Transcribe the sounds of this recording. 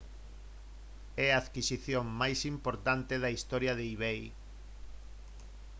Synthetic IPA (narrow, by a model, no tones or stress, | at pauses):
ɛaːðkisiθjoŋmajsimpoɾt̪ant̪eðɐist̪ɔɾjaðeiβej